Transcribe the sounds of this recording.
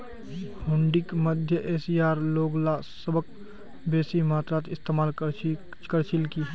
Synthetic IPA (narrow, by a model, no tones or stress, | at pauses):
bʊ̃ɳɖɪkməd̪ʱjəʔeːsijaːɾloːɡlasəbək̚ | beːsimaːt̪ɾat̪ɪst̪eːmaːl | kəɾt͡ʃɪlkiɦɛ